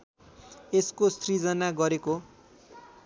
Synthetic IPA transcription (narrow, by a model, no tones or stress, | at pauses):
eskosrid͡zʌnaɡʌɾeko